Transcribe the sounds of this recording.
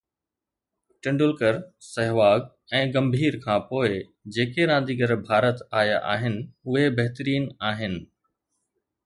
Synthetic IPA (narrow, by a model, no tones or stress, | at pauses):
ʈɪ̃ɳɖʊlkəɾsɐɦʋaːɡ | ɛ̃ːɡɐ̃mbʱiːɾkʰãːpoːɪ | d͡ʑeːkeɾãːn̆d̪iɡɐɾbʱaːɾət̪aːja̰ʔa̰ːɦɪnɪ̆ʊɦebɐɦt̪əɾiːnaːɦɪnɪ̆